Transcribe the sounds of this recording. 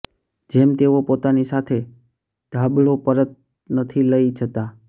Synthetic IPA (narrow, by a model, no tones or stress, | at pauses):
d͡ʒemt̪eʋopot̪anisat̪ʰe | d̪ʱabɭopəɾət̪̚ | nət̪ʰiləid͡ʒʱət̪a